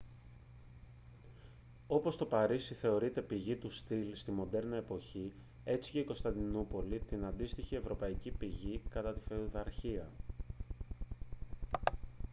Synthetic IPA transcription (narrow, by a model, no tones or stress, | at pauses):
o̞po̞st̪o̞pɐɾisiθe̞o̞ɾit̪e̞piʝit̪ust̪ilst̪imo̞nd̪e̞ɾnɐepo̞çi | e̞t͡si̥ce̞iko̞st̪ɐnd̪inupo̞lit̪inɐnd̪ist̪içie̞vɾo̞pɐicipiʝikɐt̪ɐt̪i̥feuðɐɾçiɐ